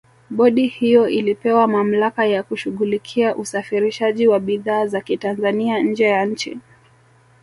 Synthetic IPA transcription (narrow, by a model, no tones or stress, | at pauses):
ɓɔɗihijɔʔilipɛwamam̩lakajakuʃuɣulikʰiaʔusafiɾiʃaʄiwaɓiðaːzakitanzaniaɲ̩d͡ʒɛjaɲ̩t͡ʃḭ